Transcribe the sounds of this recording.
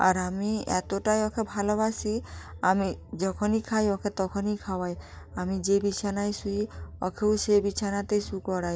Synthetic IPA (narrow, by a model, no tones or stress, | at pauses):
a̰ɾamiɛ̰t̪oʈajɔkʰebʱalɔbasiamid͡ʒɔkʰɔnikʰajɔkʰet̪ɔkʰɔnikʰawaj | amid͡ʒebit͡ʃʰanajsujiɔ̰kʰeusebit͡ʃʰanat̪ejsukɔɽaj